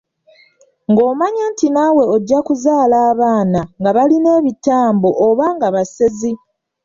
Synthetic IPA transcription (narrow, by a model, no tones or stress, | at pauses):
ŋɡo̞ːmaɲaːntinawe̞oɟːakuzaːlaːβaːnaŋɡaβaline̞ːβitaːmboʔːβaŋɡaβasezi